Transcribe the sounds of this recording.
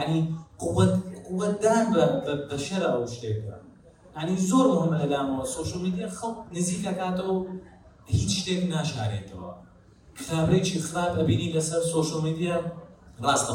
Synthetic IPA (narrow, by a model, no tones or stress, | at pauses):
jaʕniqʊwɐt̪qʊwːɐt̪̚d̪aːnbɐbɐʃɐɾaɐwʃt̪eːt̪ɐ̰ | jaʕnizoːɾmʊhɪmʔəlaːmɐwɐsoːʃolmiːd̪ijaxɐlˠqnɨziːkakaːt̪ɐw | hiːt͡sʃt̪eːmnaːʃa̰ːɾḛːt̪ʰɐwɐ̰ | xaːbɾet͡ʃʰiːxɾaːbʔɐbiːniːlɐsɐɾsoːʃɐlmid̪ijarˤɑːst̪ɐ